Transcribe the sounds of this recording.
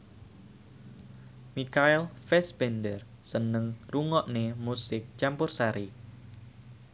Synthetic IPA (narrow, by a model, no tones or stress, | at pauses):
mikaɪlfɛsbɛndər | sənəŋruŋɔʔnemusɪk̚t͡ʃampʊrsaɾi